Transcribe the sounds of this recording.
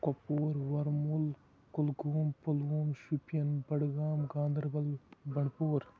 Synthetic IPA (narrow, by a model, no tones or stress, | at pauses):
kopoːɾwɐɾmul | kulɡuːmpɐluːmʃupjɐnbɐɽɡaːmɡãːnd̪ɐɾbɐlbɐɳpoːɾ